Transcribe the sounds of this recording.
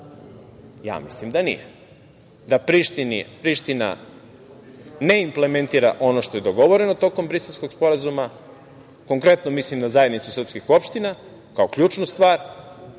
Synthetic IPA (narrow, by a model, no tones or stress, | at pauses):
ja̰ːmḭslimd̪anḭjḛ | d̪apɾiʃt̪inḭpɾiʃt̪ina̰ | ne̞imple̞ment̪iːɾa̰ʔo̞noʃt̪o̞je̞d̪o̞ɡo̞ʋo̞ɾe̞no̞t̪o̞ko̞mbɾiselʲsko̞ɡspo̞ɾazuma | ko̞ŋkɾe̞t̪nomislimnazaje̞d̪nit̪susrpskixo̞pʃt̪ina | kaokʎuːt͡ʃnust̪ʋaːɾ